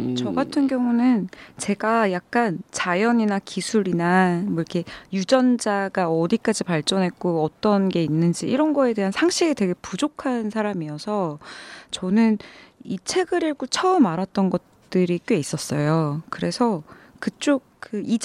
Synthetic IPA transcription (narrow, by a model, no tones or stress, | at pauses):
t͡ɕʌɡatʰɯnɡjʌŋunɯnt͡ɕe̞ɡajak̚k͈ant͡ɕajʌɲinakisʰuɾinamʌiɾkʰe̞jud͡ʑʌnd͡ʑaɡaʌdik͈ad͡ʑipaɭt͡ɕ͈ʌnɦe̞k̚k͈oʌt͈ʌnɡe̞inːɯnd͡ʑiiɾʌnɡʌe̞de̞ɦansʰaŋɕʰiɡete̞ɡe̞pud͡ʑokʰansʰaɾamiʌsʰʌt͡ɕʌnɯnit͡ɕʰe̞ɡɯɾiɭɡot͡ɕʰʌɯmaɾat̚t͈ʌnɡʌt̚t͈ɯɾik͈ɥe̞is͈ʌs͈ʌjokɯɾe̞sʰʌkɯt͡ɕ͈ok̚k͈ɯid͡ʑ